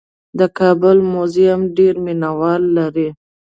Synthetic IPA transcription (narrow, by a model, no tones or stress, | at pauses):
d̪əkɑbʊlmoziamɖeɾminawɑlːaɾi